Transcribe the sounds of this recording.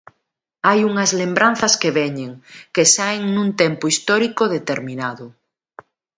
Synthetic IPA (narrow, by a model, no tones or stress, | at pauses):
ajuŋɐzlembɾanθɐskeβɛɲeŋkesaeŋnũnt̪empoist̪ɔɾikoðet̪eɾmĩnaðʊ